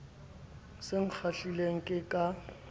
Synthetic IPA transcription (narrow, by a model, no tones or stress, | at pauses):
sɪŋ̩k͡xʰaɬileŋ̩kʼɪkʼa